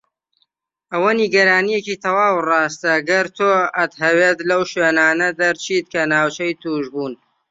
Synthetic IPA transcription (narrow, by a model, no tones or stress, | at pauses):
ʔɐwɐniɡɐɾaːnijeciːt̪ʰɐwaːwrɑːst̪ɐɡɐɾt̪ʰoːɐt̪ɦɐweːt̪lɐwʃweːnaːnɐd̪ɐɾt͡ʃʰiːt̪̚kɐnaːwt͡ʃɐjt̪uːʒbuːn